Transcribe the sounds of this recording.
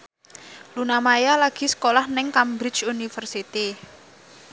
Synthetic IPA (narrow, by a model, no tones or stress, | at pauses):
lunamajalaɡ̥i̤sə̥kolahnɛŋkambɾɪ̥t͡ʃunifərsit̪i